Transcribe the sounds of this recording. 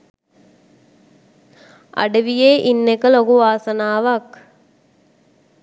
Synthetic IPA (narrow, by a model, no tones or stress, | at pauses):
ɐ̰ɖɐʋijeːʔinːekəlokuʋaːsɐnaːʋak